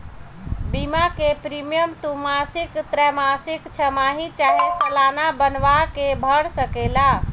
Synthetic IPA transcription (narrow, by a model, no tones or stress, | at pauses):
bimakepɾimijəmt̪umasikt̪ɾɛmasikt͡ʃʰəmaɦit͡ʃaɦisəlanabənʋakebʱəɽsəkela